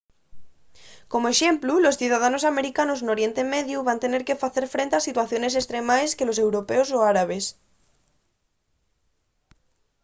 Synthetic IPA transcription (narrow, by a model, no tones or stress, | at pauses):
komoeʃe̞mplulosθjuðað̞anosameɾikanoznoɾje̞nt̪e̞meðjuβant̪e̞ne̞ɾke̞faθe̞ɾfɾent̪e̞asit̪waθjo̞nes̬est̪ɾemaeske̞lose̞wɾopeosoaɾaβ̞es